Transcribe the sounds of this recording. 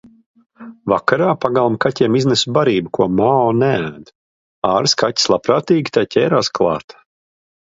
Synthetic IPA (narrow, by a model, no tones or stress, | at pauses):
vakaɾaːpaɡalˠmkatʲɛmiznɛsubaɾiːbukuɔmaɔnʲææːd̪ | aːɾskatʲi̥slˠapɾaːt̪iːɡʲit̪ajcʰʲɛːɾaːsklˠɑ̰ːt̪